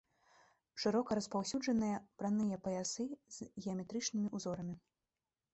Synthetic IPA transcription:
ʂɨɾɔkɐɾɐspawsʲud͡ʐɐnɨjɐpɾanɨjɐpɐjasɨz̥ɣʲɛɐmʲɛt̪ɾɨt͡ʂnɨmʲiʔuzɔɾɐmʲi

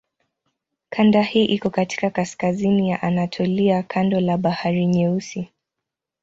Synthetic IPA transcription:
kʰandahiːʔikɔkati̥kakaskazinijaʔanatʰɔliakʰandɔlaɓahaɾiɲɛusi

